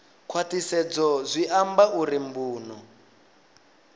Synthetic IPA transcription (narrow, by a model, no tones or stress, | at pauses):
kʰwatisɛd͡zɔzʷiʔambaʔuɾimbuːnɔ